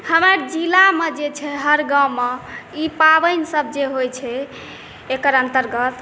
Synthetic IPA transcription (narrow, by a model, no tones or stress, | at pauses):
həməɾd͡ʒilamed͡ʒet͡ʃʰɛɦəɾɡãwmeipabəjnsəb̚d͡ʒeɦojt͡ʃʰɛ | ekəɾənt̪əɾɡət̪